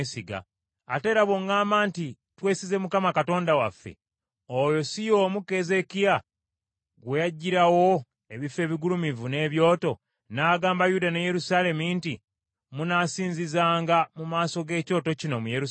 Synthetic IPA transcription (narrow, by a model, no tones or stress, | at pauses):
siɡa̰ | a̰te̞ːɾaβo̞ŋɡaːmaːnti | twe̞ːsize̞mukamakato̞ːndawafːe̞̰ | ojo̞sijo̞ːmuke̞ze̞kija | ɡwejaɟːiɾawo̞ | e̞βife̞ːβiɡulumivune̞ːβjo̞ːto̞ | naːɡaːmbajudaneje̞ɾusale̞minti | munasiːnzizaːŋɡamumaːso̞ɡe̞ːco̞ːto̞cino̞mujeɾu